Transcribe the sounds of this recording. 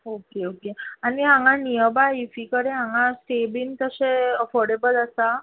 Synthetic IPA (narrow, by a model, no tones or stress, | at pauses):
okeokeaniɦãŋɡanijəbaifikəɾeɦãŋɡasʈebint̪əseəfɔɾɖebələsa